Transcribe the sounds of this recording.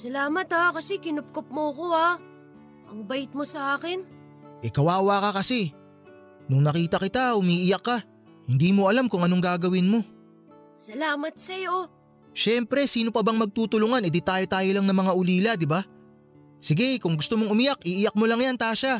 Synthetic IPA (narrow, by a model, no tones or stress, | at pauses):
sɐlaːmɐt̪akɐsɛkɪnʊp̚kop̚moɐko̞a | ʔɐŋbɐjɪt̪̚mosɐʔaːkɪn | ʔɛkɐwaːwaːkɐkɐsɛ | nʊŋnɐkiːt̪ɐkɪt̪ahʊmiːʔɪjɐkːa | hɪnd̪iːmoɐlamkʊŋɐno̞ŋɡaːɡɐwɪnmo̞ | sɐlaːmɐt̪̚sɐjo̞ | ʃɛmpɾɛsiːnopɐbaŋmɐɡ̚t̪uːt̪ʊlʊŋanʔɪd̪it̪aːjot̪aːjolaŋnɐŋmɐŋaʊliːlɐd̪ɪba | sɪɡɛkʊŋɡʊst̪omoŋʊmɪjakʔiːʔɪjɐk̚molɐŋjant̪aːʃa